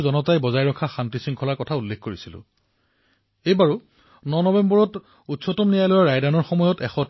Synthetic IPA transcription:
zɔnɔtajbɔzajɹɔkʰaxantisiŋkʰɔlaɹkɔtʰaulːekʰkoɹisilʊ̰̃ | ejbaɹu | nɔnɔbɛmbɔɹɔt | utsɔtɔmnijajlɔjaɹajdanɔɹxɔmɔjɔtɛxɔ

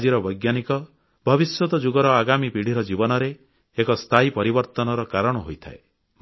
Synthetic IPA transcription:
d͡ʒiɾɔbɔjɡjanikɔ | bʱɔbiswɔt̪ɔd͡ʒuɡɔɾɔaɡamipiɽ̤iɾɔd͡ʒibɔnɔɾeː | kɔst̪ʰajpɔɾibɔɾt̪ɔnɔɾɔkaɾɔɽ̃ɔɦojt̪ʰae | m

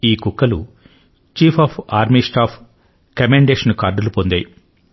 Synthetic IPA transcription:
iːkukːɐlṵ | t͡ʃiːpʰaːpʰaːɾmisʈaːpʰ | kɐmeɳɖeːʂɐnkaːɾɖɐlupond̪ɐj

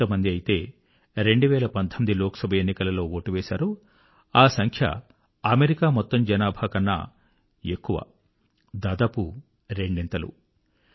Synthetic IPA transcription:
ɐmɐnd̪iɐjit̪e̞ː | ɾe̞ɳɖuʋɛːlɐpɐnd̪ʱʰɐmid̪ilɔːkɐ̥sɐbʱɐenːikɐlɐlo̞ːoːʈuʋɛːsa̰ːɾu | aːsɐŋkʰjɐ̰ | ɐme̞ɾikaːmɔt̪ːɐmd͡ʒɐnaːbʱaːkɐnːɐ̰ | ekːuʋɐ̰ | d̪aːd̪aːpu | ɾe̞ɳɖɛnt̪ɐlṵ

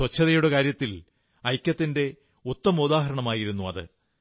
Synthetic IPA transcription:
wɐt͡ɕʰːɐðɐjuɽekaːɾjɐt̪ːil | ɐjkʲːɐt̪ːinde̞ | ut̪ːɐmud̪aːɦɐɾɐɳɐmaːjiɾunːuɐðɨ̰

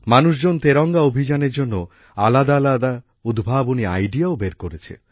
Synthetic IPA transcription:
manuʃd͡ʑont̪eɾɔŋɡaobʱid͡ʑaneɾd͡ʑonːo | alad̪alad̪a | ud̪ʱbʱaboniajɖiaobeɾkoɾet͡ɕʰḛ

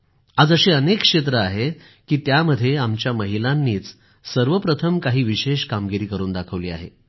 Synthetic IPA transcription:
ad͡zəɕeənekʂet̪̬ɾəaɦe | kiːt̪jaməd̪ʱːjeamt͡ɕjaməɦilanːiːt͡s | səɾʋəpɾət̪ʰəmkaɦiːʋiɕeɕkamɡiɾiːkəɾuːnd̪akʰəʋliːa̰ɦḛ

